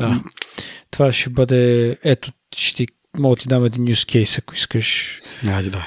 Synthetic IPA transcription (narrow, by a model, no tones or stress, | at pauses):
d̪a | t̪ovaʃɛbəd̪ɛɛt̪o | ʃɛ̥t̪i | mɔɡət̪id̪amɛd̪inːjuskʰɛjsɐkʊiskəʃad̪id̪a